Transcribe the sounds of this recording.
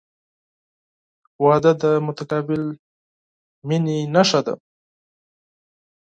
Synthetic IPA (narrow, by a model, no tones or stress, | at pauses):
wɑd̪ad̪əmʊt̪akɑbɪl | mininaʃad̪a̰